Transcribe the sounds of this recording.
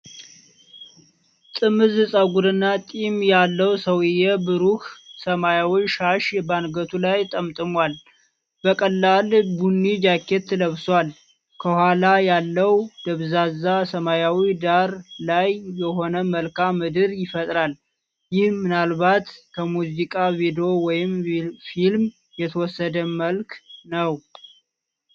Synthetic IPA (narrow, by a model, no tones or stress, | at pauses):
t̪ʼɨmɨzɨsʼaɡuɾɨnːat̪ʼimjalːəwsəwɪjɛbɨɾuhsəmajawiʃaʃɛbanɡət̪ʰulajt̪ʼəmt̪ʼɨmwal | b̥əkʼəlːalbunːid͡ʒakʰːet̪ːɨləβswal | kʰəhʷwʷalajalːəwd̪əβzazasəmajawid̪aɾlajːɛɦo̞nəməlkamɨd̪ɨɾjɪfət̪ʼɾal | jɪhmɨnalβat̪kʰəmuzikʼavid̪eowɔjɪmfilm | jɛt̪ʰəwɔsːəd̪əməlknəw